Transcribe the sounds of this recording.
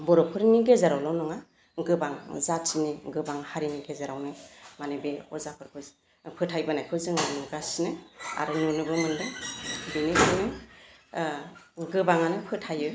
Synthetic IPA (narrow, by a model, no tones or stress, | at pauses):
bɔɾɔpʰɯɾniɡezaɾawlɔwnɔŋa | ɡɯbaŋzatt͡ʃiniɡɯbaŋhaɾiniɡezaɾawnɯmanebeɔzapʰɯɾkʰɯ | pʰɯtʰːajbɯnajkʰɯzɯŋanuɡasinɯa̰ɾɯnunɯbɯmɯndɯbinibʰɯnɯ | ɡɯbaŋanɯpʰɯtʰajɯ